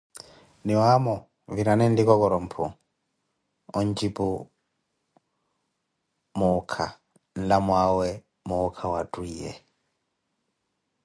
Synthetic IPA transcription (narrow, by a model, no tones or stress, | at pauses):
niwamɔ | viɾanɛndikɔkɔɾɔm̩pʰṵ | ɔɲd͡ʒipu | mukʰa | n̩lamwawɛ | muːkʰawatuijɛ̰